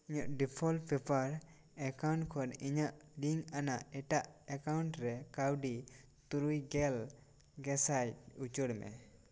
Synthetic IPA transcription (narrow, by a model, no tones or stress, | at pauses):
iɲɔʔɖipʰɔlpʰɛpʰaɾ | ɛkawnʈkʰɔniɲaʔliŋanaʔɛʈaʔɛkawɳʈɾɛkawɖi | t̪uɾujɡɛl | ɡɛsajut͡ʃɔɽmɛ̰